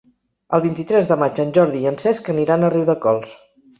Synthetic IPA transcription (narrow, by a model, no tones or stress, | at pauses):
əlˠβint̪it̪ɾɛzðəmad͡ʒənʲʒɔɾðiːənsɛskəniɾanəriwðəkɔlˠs